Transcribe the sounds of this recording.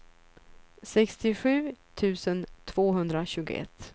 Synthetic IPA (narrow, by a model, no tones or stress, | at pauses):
sɛkst̪ɪɧʉ̟ːt̪ʰʉ̟ːsənt̪ʰv̥oːɦɵnd̪ɾaɕʉ̟ːɡʊ̰ɛ̰t̪ː